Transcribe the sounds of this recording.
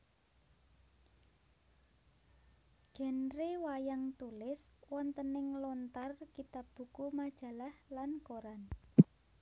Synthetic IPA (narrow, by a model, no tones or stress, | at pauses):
ɡ̥ɛ̤nɾewajaŋt̪ulɪswɔnt̪ənɪŋlɔnt̪arkit̪ab̥ṳkumad̥ʒ̥a̤lahlankoɾan